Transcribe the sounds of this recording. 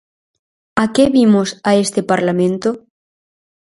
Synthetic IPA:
akeβimosaest̪epaɾlamẽnt̪o

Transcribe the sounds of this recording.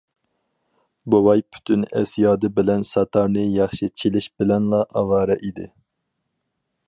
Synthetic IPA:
bowɑjpʰy̥t̪ʰynɛ̰sjɑːd̪ɨbɪlɛnsɑt̪ʰɑɾnɨjɑχʃit͡ʃʰelɪʃbɪlɛnlˠɑʔɑwɑːɾɛʔid̪ɪ̰

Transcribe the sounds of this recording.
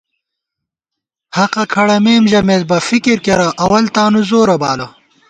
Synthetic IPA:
hɐqɐkʰɐɽɐmeːmʑɐmez̚bɐfikiɾkeɾɐʔɐwɐlt̪aːnuzoːɾɐbaːlɐ

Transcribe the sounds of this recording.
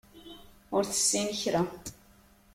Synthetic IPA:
ʊɾθə̥sːinəçɾa

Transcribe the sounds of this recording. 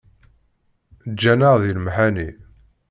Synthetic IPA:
d͡ʒːænaʁðilmħæni

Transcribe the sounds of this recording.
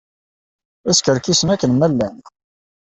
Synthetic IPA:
æskəɾkisənækːənmælːæn

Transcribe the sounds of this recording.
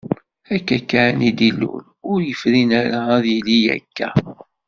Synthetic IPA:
ækːækːanid̪ilːṵɾ | ʊɾjəfɾinæɾaæðilijæ̰kːæ

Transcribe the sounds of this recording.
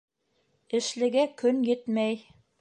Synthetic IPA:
ɘ̆ʃlɘ̆ɡækɵnjɘt̪mæj

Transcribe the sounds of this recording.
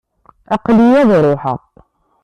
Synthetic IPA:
ʔɑqlijæðɾˤoħə̰ʁ

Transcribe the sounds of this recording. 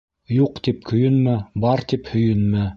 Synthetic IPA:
juqt̪ip̚kʰɵ̆jɵ̆nmæbɑɾt̪iphɵ̆jɵ̆nmæ

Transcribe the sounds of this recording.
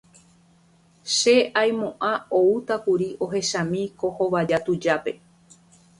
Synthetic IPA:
ʃe̞ʔajmõʔãout̪akuɾiʔo̞ɦe̞ʃãmĩko̞hoʋad͡ʒat̪ud͡ʒape̞

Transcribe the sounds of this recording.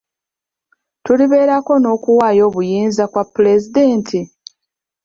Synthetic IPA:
tuliβe̞ːɾako̞no̞ːkuwaːjo̞ːβujiːnzakwapːule̞zideːntʰi

